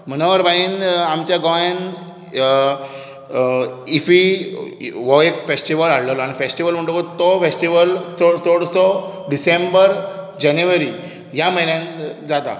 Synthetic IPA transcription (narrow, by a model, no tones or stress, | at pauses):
m̤ənoʋəɾbaiːnamt͡ɕjaɡɔjen | ifi | ʋɔekfesʈiʋəlaɽləlaɽ̃ifesʈiʋəlm̤əɳʈokot̪ɔfesʈiʋəlsoɽsoɽsɔɖisẽmbəɾd͡ʑanjuʋəɾi | ɦjaməilãnd͡zat̪a̰